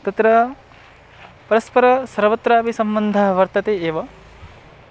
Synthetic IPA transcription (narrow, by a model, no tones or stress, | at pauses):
t̪ɐt̪ɾɐ | pɐɾɐspɐɾɐsɐɾʋɐt̪ɾaːʋisɐmbɐnd̪ʱaːɦɐʋɐɾt̪ɐt̪eeːʋɐ